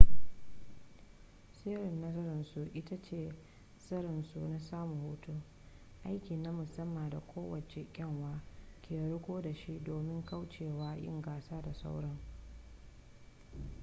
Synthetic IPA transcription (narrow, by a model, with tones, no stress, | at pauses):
seː˦ɾɪ˨nːɐ˦zɐ˦ɾɪ˨nsu˨ʔɪ˦ta˦t͡ʃeː˦˨ | sɐ˦ɾɪ˨nsṵ˨na˦saː˦mu˨huː˨tu˦ | ʔa˦jkʲi˨na˦mʊ˨sɐ˦mːa˨da˨kʷoː˦wɐ˨t͡ʃe˨kʲʼɛ˦˨ŋwaː˦kʲʰeː˨ɽʊ˦kʷoː˦da˨ʃi˦ʔdoː˨mɪ˦ŋka˦wt͡ʃeː˨waː˦jɪ̰˦ŋɡaː˨saː˦da˨sa̰˦wɽɐ˦ŋ